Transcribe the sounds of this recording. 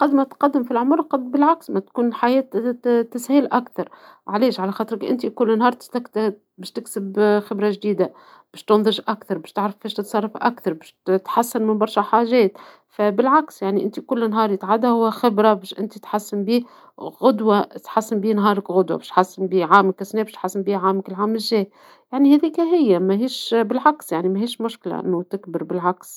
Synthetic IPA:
qɑd̪mæt̪qɑd̪ːɪmfilʕʊmɾˤqɑd̪bɪlʕaksmæt̪kuːnlħajɛːt̪t̪ːæshiːlʔakθɑɾˤʕalɛːʃʕalæxɑːt̪ˤɾɪkʔɪ̰nt̪ikʊlːnhɑːɾˤt̪ɪ̥st̪ækt̪ | bæːʃt̪ɪksɪbxɪbɾɑʒd̪iːd̪a | b̥ɛːʃt̪ʊnðˤɨʒʔakθɑɾˤbɛːʃt̪ɪʕɾɑfbɛːʃt̪ɪt̪sˤɑrˤːɑfʔa̰kθɑɾˤbɛːʃt̪ħasːanmɪnbɑɾˤʃaħaːʒɛːt̪ | fæbɪlʕaksjaʕniʔɪnt̪ikʊlːnɦɑːɾˤjt̪ʕad̪ahʊwːæxɪbɾabɛːʃʔɪ̰nt̪it̪ħasːɪmbiː | ɣʊd̪wat̪ħasːɪmbiːnɦɑːɾˤɪkɣʊd̪wa̰bɛːʃt̪ħasːɪmbiːʕaːmɪkɪsnɛːbɛʃt̪ħasːɪmbiːʕaːmɪkɪlʕaːmɪʒːɛː | jaʕnihæːðiːkæɦɪjːamæɦiːʃbɪlʕaksjaʕnimæɦiːʃmʊʃkla̰ʔɪ̰nːut̪ɪkbɪɾbɪlʕaks

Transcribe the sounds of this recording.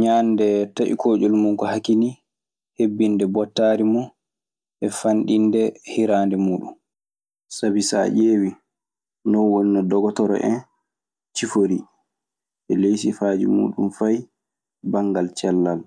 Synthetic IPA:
ɲaːndɛtaʔḭkʰoːd͡ʒɔlmuŋkɔhakini | hebːindɛbɔtːaːɾimɔ | ʔɛfanɗindɛhiɾaːndɛmuːɗṵm | sabisa̰ʔeːwi | nɔwɔnːɔdɔɡɔtɔɾɔ̰ʔɛn | t͡ʃifoɾi | ʔɛlejsifaːd͡ʒḭmṵːɗumfaj | baŋɡalt͡ʃɛlːal

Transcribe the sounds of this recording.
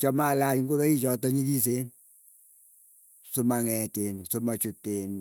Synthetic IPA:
t͡ʃɔmalat͡ʃŋɡuðɔit͡ʃɔtɔɲikis̬en | sumaŋɛtensumat͡ʃuteːn

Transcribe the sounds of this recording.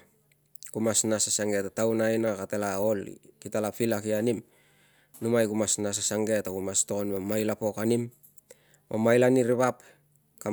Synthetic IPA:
kumasnasasaŋɡe̞tatawnajnakatelaolḭkitalapilakianim | numajkumasnas̬asaŋɡe̞tokumasto̞konbemajlapo̞kanim | omajlaniɾiβap | ka

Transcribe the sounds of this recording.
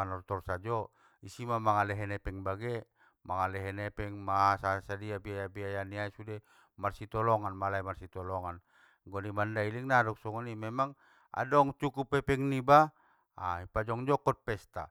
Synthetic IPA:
anɔrt̪ɔrsad͡ʒɔ | isimamaŋalɛɦɛnɛpɛŋbaɡɛ | maŋalɛɦɛnɛpɛŋmasasadiabiajabiajaniaisudɛ | marsit̪ɔlɔŋanmalaimarsit̪ɔlɔŋan | ɡɔnimandailiŋnadɔk̚sɔŋanimɛmaŋ | a̰dɔŋt͡ʃukupɛpɛŋniba | aipad͡ʒɔŋd͡ʒɔkɔt̪̚pɛst̪a̰

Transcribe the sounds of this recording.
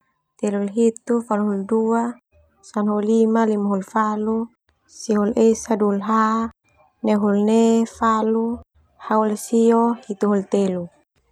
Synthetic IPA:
t̪ɛlulɦit̪ufaluɦuldua | sanɦulimalimaɦulfalu | siɦulesadulɦa | neɦulnefalu | haulsiohit̪uɦult̪elu

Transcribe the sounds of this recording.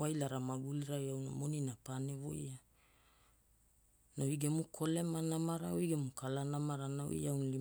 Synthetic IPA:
ajlaɾamaɡuliɾajawna̰mo̞ninapane̞vo̞̰ja | nawiɡemukʰo̞le̞manamaɾaoiɡemukʰalanamaɾanao̰ḭawnli

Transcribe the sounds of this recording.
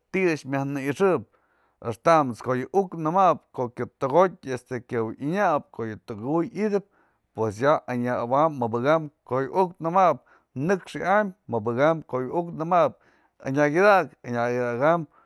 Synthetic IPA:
t̪iɨt͡ʃmjahnɨiʂɨʔp̚ | ḛʂt̪amt͡skoʔjɨʔuknɨmap̚koʔkʲjɨp̚t̪oɣot̚ʲest̪ekʲawʔiɲap̚koʔjɨt̪oɡujid̪ɨp̚ | pwes̬jaaɲaabamːɨbɨɣamkojɨʔuk̚nɨmap̚ | nɨkʂʔammɨbɨɣamkoʔjɨuknɨmap̚ | a̰ɲaɡid̪akaɲaɡid̪aɡam

